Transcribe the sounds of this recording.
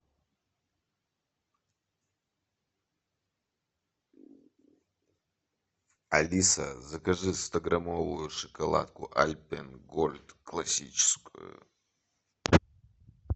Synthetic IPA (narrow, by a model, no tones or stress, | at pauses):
alisa̰zakaʐɨst̪ʰaɡramolujʂɨkʰʼola̰t̚kʷʰʼʊʔalʲpʰʼenɡolʲdkʰlasit͡ʃʰɪ̥skʷʼṵ